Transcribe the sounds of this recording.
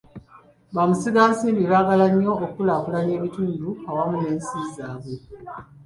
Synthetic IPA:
βamusiɡaːnsiːmbiβaːɡalaɲːo̞ːkulaːkulaɲe̞ːβituːnduawamune̞ːnsiːzaːβwe̞

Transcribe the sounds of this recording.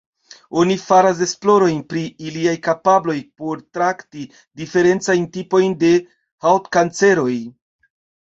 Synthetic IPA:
o̞nifaɾas̬e̞splo̞ɾo̞jnpɾiiliajkapablo̞jpo̞ɾtɾakti | dife̞ɾe̞nt͡sajntipo̞jnde̞ | hawtkant͡se̞ɾo̞j

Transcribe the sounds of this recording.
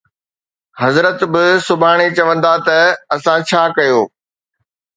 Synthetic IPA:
ɦɐzɾət̪bɪsʊbʱaːɽ̃et͡ɕɐʋə̃nd̪at̪ɐɐsãt͡ɕʰaːkɐjoː

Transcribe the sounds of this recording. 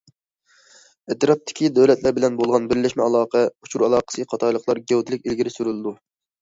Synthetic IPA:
et̪ɾɑp̚t̪ʰːɪ̥kʲid̪øwlɛt̪ʰlæɾbɪlɛnbolˠʁɑnbɪɾlɪʃmɛɑlˠɑːqʰɛut͡ʃʰuɾɑlˠɑːqə̥sɨqʰɑt̪ʰɑjlˠəqʰlˠɑɾɡʲɛwt̪ʰɪlɪkʲilɡʲiɾɪsyɾylˠɨd̪u

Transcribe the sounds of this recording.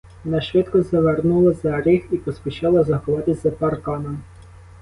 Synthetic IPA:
ɔnɑʃʋɪt̪kɔzɐʋernulˠɐzɐɾʲɪxipɔspʲit͡ʃɑlˠɐzɐxlˠɑd̪ɪzʲzɐpɐrkɑnɐm

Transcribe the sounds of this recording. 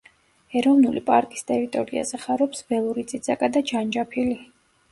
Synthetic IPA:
ɛɾɔvnulipʼaɾkʼist̪ʼɛɾit̪ʼɔɾia̰zɛχaɾɔpsbɛlˠuɾit̪sʼid̪zakʼad̪ad͡ʒand͡ʒapʰili

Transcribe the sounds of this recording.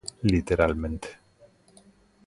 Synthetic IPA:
lɪt̪ɛɾalmɛnt̪

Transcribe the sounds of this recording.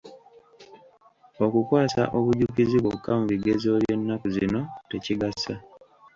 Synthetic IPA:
o̞kukwaːsa̰ʔo̞βuɟukiziβokːamuβiɡe̞zo̞lje̞nːakuzino̞te̞ciɡasa

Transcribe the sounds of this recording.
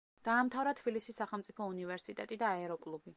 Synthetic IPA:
d̪̥aːmt̪ʰavɾat̪ʰbilisisːaχɛlˠmt̪sʼipʰɔunivɛɾsit̪ʼɛt̪ʼid̪aɛɾɔkʼlˠubi

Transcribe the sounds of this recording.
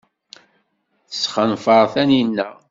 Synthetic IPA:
θəsχənfəɾˤθæninːə

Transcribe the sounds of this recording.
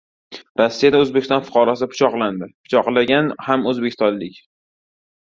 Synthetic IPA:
ɾɒsːijad̪aɵzbekʲɪ̥st̪ɒnfʊ̥qʰɒɾɒsɪpʰʊ̥t͡ʃʰɒqlˠand̪ɪpʰʊ̥t͡ʃʰɒqlˠaɡʲanhamɵzbekʲʰɪst̪ɒnlɪkʲ

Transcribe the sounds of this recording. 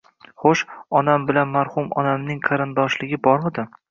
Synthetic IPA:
χoʃɒnambɪlanmaɾhʊmɒ̰namnɪŋqʰɑɾɪnd̪ɒʃlɪɡʲɪbɒɾmad̪ɪ

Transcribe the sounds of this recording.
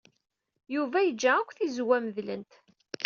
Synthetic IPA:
juvæjəd͡ʒːæækʷːθizwæməðlə̰nt̪

